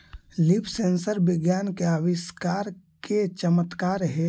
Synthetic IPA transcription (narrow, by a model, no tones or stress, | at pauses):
lipʰsẽːnsəɾbɪɡjaːnkeaʋɪskaːɾ | kʰet͡ʃəmət̪kaːɾɦɛ